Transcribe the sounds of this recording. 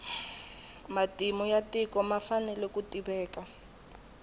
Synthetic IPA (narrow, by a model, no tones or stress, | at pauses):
matʼimɔjatikɔmafanɛlɛkʼutʼibɛːka